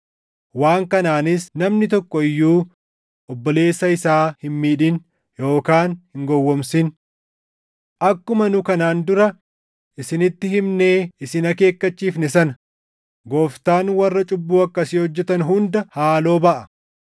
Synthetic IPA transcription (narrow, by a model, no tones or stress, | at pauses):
waːŋkɐnaːnɪsnɐmnɪt̪ɔkːɔɪjːuː | ʔɔbːɔle̞ːsːɐɪsaːhɪnmiːᶑɪn | jo̞ːkaːnhɪŋɡɔwːɔmsɪn | ʔɐkːʊmɐnʊkɐnaːnd̪ʊɾɐ | ʔɪsɪnɪt̪ːɪhɪmneːɪsɪnɐke̞ːkːɐt͡ʃːiːfnɛsɐnɐ | ɡoːft̪aːnwɐrːɐt͡ʃʼʊbːuːɐkːɐsɪhɔd͡ʒːɛt̪ɐnɦʊnd̪ɐhaːlo̞ːbɐʔɐ